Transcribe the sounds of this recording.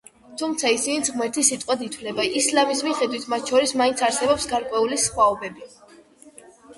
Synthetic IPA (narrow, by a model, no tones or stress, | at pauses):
t̪ʰumt̪sʰaisinid̪zʁmɛɾt̪ʰisit̪ʼqʼwad̪it̪ʰwlɛbaislamismiχɛd̪wit̪ʰmat̪̚ʰt͡ʃʰɔɾismainsʰaɾsɛbɔpsɡaɾkʼwɛulisχwaɔbɛbi